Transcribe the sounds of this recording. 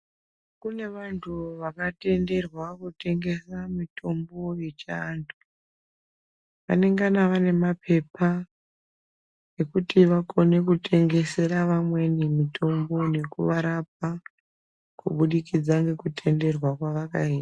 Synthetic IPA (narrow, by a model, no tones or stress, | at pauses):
kune̞ʋantʰuʋakate̞nde̞rwakute̞ŋɡe̞samito̞mbo̞jet͡ʃantʰu̥ | ʋa̰ne̞ŋɡanaʋane̞mapʰe̞pʰa | e̞kutiʋako̞ne̞kutʰe̞ŋɡe̞se̞ɾaʋamwe̞nemitʰo̞mbo̞ne̞kuʋaɾap̚a | kuɓuɗikid͡zaŋɡe̞kutʰe̞nde̞rwakwaʋakaiːta